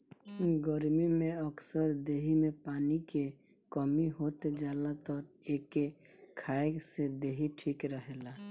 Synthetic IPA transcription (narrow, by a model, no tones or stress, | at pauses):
ɡəɾmimẽəksəɾd̪eɦimepaːnike | kəmiɦot̪ed͡ʒaːlat̪ɔɾ | eke | kʰaesed̪eɦiʈʰikɾəɦela